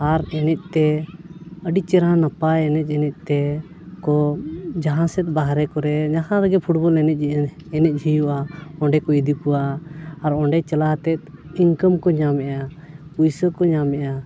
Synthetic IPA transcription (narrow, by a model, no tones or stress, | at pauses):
aɾɛnɛc̪̚ˀt̪ɛ | əɖit͡ʃɛɾãnapaɛnɛc̚ˀɛnɛc̪̚ˀt̪ɛ | kɔd͡ʒaɦãsɛt̪̚baɦɾɛkɔɾɛɲaɦãləɡɛpʰuʈbɔlɛnɛc̪̚ˀd͡ʒiʔənɛnɛc̚ˀd͡ʒʱijuʔaɔ̃ɳɖɛkɔid̪ipuwaːɾɔɳɖɛt͡ʃɛlaɦt̪ɛt̪̚iŋkəmkɔɲamɛʔa | ujsəkɔɲamɛʔa